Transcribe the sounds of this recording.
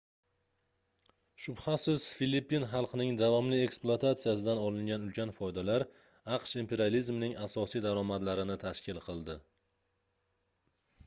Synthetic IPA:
ʃʊbhasɪz̥filipːinχɑlˠqʰɨnɪŋd̪avɒmlɪe̞ksplˠʊat̪ʰat̪sɨjas̬ɪd̪anɒlɪŋɡʲanʊlkʲanfɒjd̪alaɾ | ɑqʃimpe̞ɾializmnɪŋasɒsijd̪aɾɒmad̪laɾɪnɪt̪ʰaʃkʲʰɪlˠqʰɨlˠd̪ɪ

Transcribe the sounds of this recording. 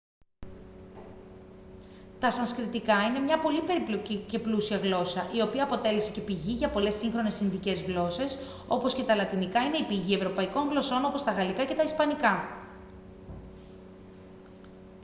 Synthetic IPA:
t̪ɐsɐnskɾit̪ikɐine̞mɲɐpo̞lipe̞ɾiplo̞cice̞plusiɐɣlo̞sɐʔio̞piɐːpo̞t̪e̞lese̞ce̞piʝiʝɐpo̞le̞sːiŋxɾo̞ne̞sinðice̞zɣlo̞se̞s | o̞po̞sce̞t̪ɐlɐt̪inikɐine̞ipiʝie̞vɾo̞pɐiko̞ŋɣlo̞so̞no̞po̞st̪ɐɣɐlikɐce̞t̪ɐispɐnikɐ

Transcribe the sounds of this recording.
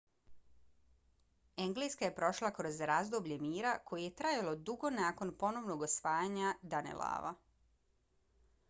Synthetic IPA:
e̞ŋɡlijskaje̞pɾo̞ʃlˠakɾo̞zɾaːzd̪obʎe̞miːɾako̞jeje̞t̪ɾajalo̞d̪uɡo̞naːko̞npo̞no̞ʋno̞ɡosʋaːjaɲad̪anḛlˠa̰ːʋa̰

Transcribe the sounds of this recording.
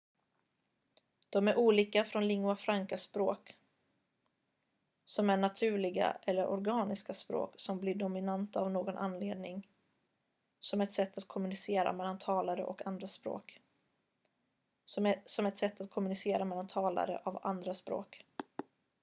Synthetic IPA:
d̪̥ɔmæɾʔuːliːkafɾɔnlɪŋːʉafɾaŋkaspɾoːk | sɔmæɳat̪ʰʉ̟ːɭɪɡa̰ʔɛlːəɾʔɔ̰ɾɡɑːnɪskaspɾo̰ːksɔmblɪɖʊmɪnant̪aːvnoːɡɔnʔa̰nːleːd̪nɪŋ | sɔmɛt̪sɛt̪ːat̪̚kʰɔmɵnɪseːɾa̰mɛlːant̪ʰɑːlaɾə̰ʔɔkʰand̪ɾaspɾo̰ːk | sɔmɛt̪sɛt̪ːat̪̚kʰɔmɵnɪseːɾamɛlːant̪ʰɑːla̰ɾə̰ʔava̰nd̪ɾaspɾo̰ːk

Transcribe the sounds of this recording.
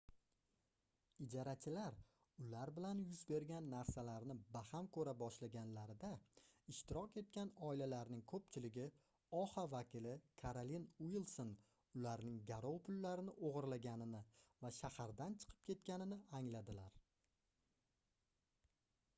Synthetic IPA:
ɪd͡ʒɒɾat͡ʃʰɪlaɾ | ʊlaɾbɪlanjʊzbe̞ɾɡʲanːaɾsalaɾnɪbahamkʰɵɾabɒʃlaɡʲanlaɾɪd̪aɪʃt̪ɪɾɒkʲe̞t̪̚kʲanɒɪlalaɾnɪŋkʰɵpt͡ʃʰɪlɪɡʲɪ | ɒhavakʲɪlɪkʰaɾolinuilˠson | ʊlaɾnɪŋɡʲaɾɒwpʰʊlːaɾɪnɪʔoʁɨɾlaɡʲanɪnɪvaʃahaɾd̪ant͡ʃʰɨ̥qʰɨ̥p̚kʲʰe̞t̪kʲanɪnɪaŋlad̪ɪlaɾ

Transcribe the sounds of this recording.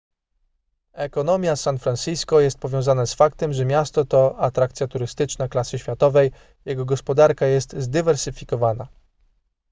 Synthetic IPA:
ɛkɔnɔmʲjasanfɾansijskɔjɛst̪̚pɔvʲjɔ̃zanɛsfakt̪ɛmʐɛmʲjast̪ɔt̪ɔat̪ɾakt̪sʲjat̪uɾɘst̪ɘt͡ʂnaklasɘɕfʲat̪ɔvɛj | jɛɡɔɡɔspɔd̪aɾkajɛst̪zd̪ɘvɛɾsɘfʲikɔvana̰

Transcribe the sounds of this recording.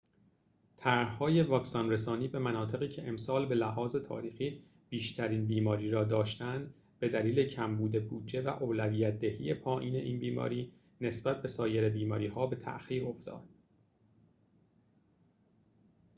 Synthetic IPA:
t̪ʰæɾhhɒːje̞vɒːksɒnresɒːniːbe̞mænɒːt̪ʰe̞ɣiːcʰe̞ʔemsɒːlbe̞læhɒːze̞t̪ʰɒ̰ːɾiːxiː | b̥iːʃt̪ʰæɾiːnbiːmɒːɾiːɾɒːd̪ɒːʃt̪ænd̪ | b̥e̞d̪æliːle̞cʰæmbuːd̪e̞buːd̪d͡ʒe̞væʔoːlæviːjæt̪̚ʰd̪ehḭːje̞pʰɒːʔiːne̞ʔiːnbiːmɒ̰ːɾiː | ne̞sb̥æt̪̚ʰbe̞sɒːjeɾebiːmɒːɾiːhɒːbe̞t̪ʰæ̰ʔxiːɾo̞ft̪ʰɒ̰ːd̪̥

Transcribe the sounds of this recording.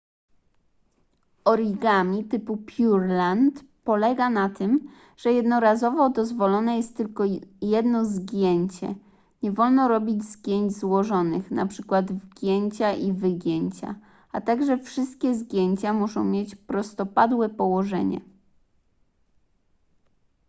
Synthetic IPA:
ɔɾʲiɡamʲit̪ɘpupʲjuɾlant̪pɔlɛɡanat̪ɘm | ʐ̥ɛjɛd̪nɔɾazɔvɔd̪ɔzvɔlɔnɛjɛst̪ːɘlkɔjɛd̪nɔzɡʲjeɲt͡ɕɛ̰ | ɲɛvɔlnɔɾɔbʲid͡ʑzɡʲjeɲd͡ʑzwɔʐɔnɘxna̰pʂɘkwad̪vɡʲjeɲt͡ɕaʔivɘɡʲjeɲt͡ɕa̰ | at̪aɡʐɛfʂɘst̪̚kʲɛzɡʲjeɲt͡ɕamuʂɔ̃w̃mʲjet͡ɕpɾɔst̪ɔpad̪wɛpɔwɔʐɛ̰ɲɛ̰

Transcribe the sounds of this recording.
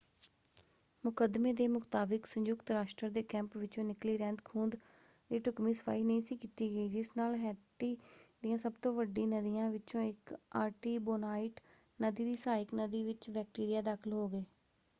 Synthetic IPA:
mʊkəd̪meːd̪eːmʊkt̪aːbɪksə̃ɲjʊkt̪ɾaːʃʈɾəɾd̪eːkɛ̃ːmpʋɪt͡ʃõːnɪkliːɾɛ̃ːnd̪kʰuːnd̪ | d̪iːʈʊkmĩːsə̥pʰa̰ːiːnəĩːsiːkiːt̪iːɡəiːd͡ʒɪsnaːlɦɛːt̪iːd̪ɪjãːsəbt̪õːʋəɖːĩːnəd̪ijãːʋɪt͡ʃõːɪkaːɾʈiːboːnaːɪʈ | nəd̪iːd̪iːsaːɪknəd̪iːʋɪt͡ʃʋɛːk̚ʈiːɾɪjaːd̪aːkʰɪlɦoːɡeː

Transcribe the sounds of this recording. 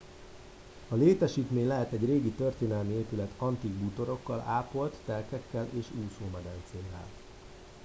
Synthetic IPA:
ɒleːt̪ɛʃiːt̪meːɲlɛɦɛt̪ɛɟreːɡit̪ørt̪eːnɛlmieːpylɛt̪ʰɒnt̪iɡbuːt̪o̞ɾo̞kːɒlaːpo̞lt̪ːɛlkɛkːɛlʔeːʃuːsoːmɛd̪ɛnt̪seːlːɛ̰l

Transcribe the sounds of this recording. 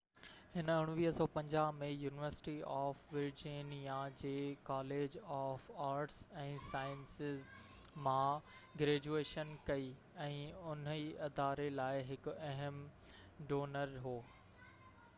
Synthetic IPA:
hɪnəʊɽ̃ʊʋiːɦsɔːpɐ̃ɲd͡ʑaːɦmẽjuːnɪʋəɾsɪ̥ʈiɔːfʋɪɾd͡ʑinijad͡ʑeːkaːleːd͡ʑɔːfaːɾʈsɛ̃ːsaːɪənsɪz | mãɡɾeːd͡ʑueːʃənkɐi | ɛ̃ːʊniɐd̪aːɾelaːɪɦɪkʊ̆ɐɦəm | ɖoːnəɾɦoː

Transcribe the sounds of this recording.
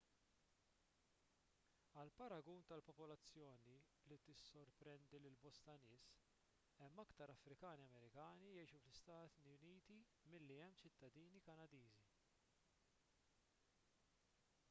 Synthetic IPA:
ɐlpɐɾɐɡuːnt̪ɐlpɔpɔlɐt͡sːjɔːni | lit̪ɪsːɔɾpɾɛnd̪ilɪlbɔst̪ɐnɪːs | ɛmːɐkt̪ɐɾɐfɾɪkɐːniɐmɛɾɪkɐːnijɛjʃuflɪst̪ɐːt̪niʊniːt̪i | mɪlːiɛmːt͡ʃɪt̪ːɐd̪iːnikɐnɐd̪iːzi

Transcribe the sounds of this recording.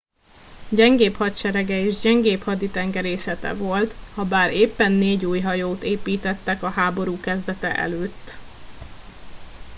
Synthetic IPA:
ɟɛŋɡeːphɒt̪ʃɛɾɛɡɛeːʒɟɛŋɡeːphɒd̪it̪ɛŋɡɛɾeːsɛt̪ɛ̰vo̞lt̪hɒbaːɾeːpːɛnːeːɟuːjɦɒjoːt̪eːpiːt̪ɛt̪ːɛkɒɦaːbo̞ɾuːkɛzd̪ɛt̪ɛ̰ʔɛ̰løːt̪ː

